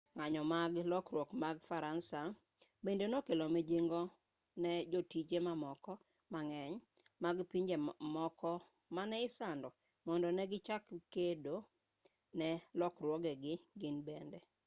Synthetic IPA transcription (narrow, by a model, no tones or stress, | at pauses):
ŋaɲɔmaɡlɔkɾwɔkmaɡfaɾansa | bendenokelomed͡ʒeŋɡɔ | nɛd͡ʒotit͡ʃemamɔkɔ | maŋɛɲ | maɡpiɲd͡ʒemɔkɔ | manɛɪsandɔ | mɔndɔnɛɡɪt͡ʃakkedo | nɛlɔkrwɔɡɛɡɪɡɪnbendɛ